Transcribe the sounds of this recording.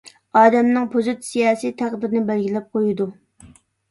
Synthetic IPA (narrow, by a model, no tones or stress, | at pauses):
ɑːd̪ɛmnɨŋpʰozut̪sijɑːsijt̪ʰæχd̪ɪɾnɪbɛlɡʲilɛp̚qʰojud̪u